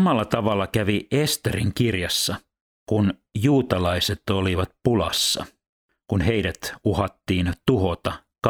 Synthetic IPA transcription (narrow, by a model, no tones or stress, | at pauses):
mɑlːɑt̪ɑʋɑlːɑkæʋiʔest̪eriŋkirjɑsːɑ | kunjuːt̪ɑlɑiset̪oliʋɑt̪̚pulɑ̰sːɑ̰ | kunhe̞idæt̪uhɑt̪ːiːnt̪uhot̪ɑ | k